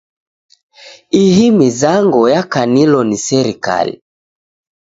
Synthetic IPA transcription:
iɦimizaŋɡɔjakanilɔnisɛɾika̰lḭ

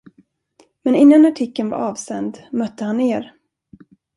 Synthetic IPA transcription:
mɛnɪnːanaʈʰɪkːənva̰ɾɑːvsɛnd̪mœt̪ːəhanːeːɾ

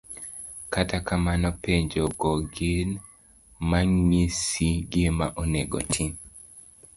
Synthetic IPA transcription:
katakamanɔpeɲd͡ʒɔɡɔɡɪn | maŋisiɡimaʔɔneɡɔ̰tʰin

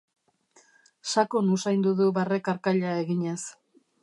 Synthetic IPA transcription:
sakonusajnd̪uðuβarekaɾkaʎae̞ɣiɲe̞s

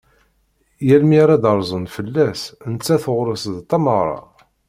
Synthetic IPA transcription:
jælmiɾad̪ɑɾˤzˤənfəlːæsnət͡sːæθəʁɾəsðt̪ːɑməʁɾˤɑ̰

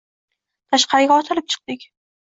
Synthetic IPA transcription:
t̪ʰaʃqɑɾɪɡʲaɒt̪ʰɪlɪp̚t͡ʃʰɨ̥q̚d̪̥ɪkʲ

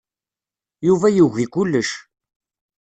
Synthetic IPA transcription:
juvæjuʝikʊlːəʃ

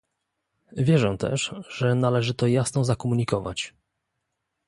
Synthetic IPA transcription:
vʲjɛʐɛ̃t̪ɛ̰ʂʐɛnalɛʐɘt̪ɔjasnɔzakɔmuɲikɔva̰t͡ɕ

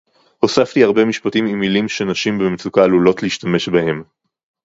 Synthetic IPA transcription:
ho̞saftiaʁbe̞miʃpatimimːilimʃe̞naʃimbemet͡sukaːlulo̞tleiʃtame̞ʃbahe̞m

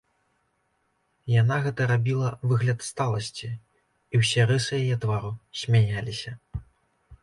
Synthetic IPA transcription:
janaɣɛt̪ɐɾabʲilˠɐvɨɣlʲɐt̪st̪alˠɐsʲt͡sʲi | iwsʲɛɾɨsɨjajɛt̪vaɾusʲmʲanʲalʲisʲɐ

